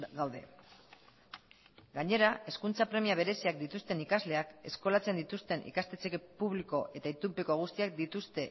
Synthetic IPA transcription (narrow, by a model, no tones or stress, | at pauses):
ɡawðe̞̰ | ɡaɲe̞ɾae̞skunt͡sapɾe̞miaβ̞e̞ɾe̞siak̚d̪it̪ust̪e̞nikazle̞ake̞sko̞lat͡se̞nd̪it̪ust̪e̞nʔḭkast̪e̞t͡sekepuβliko̞ʔe̞t̪ait̪upeko̞ɣ̞ust̪iak̚d̪it̪ust̪e̞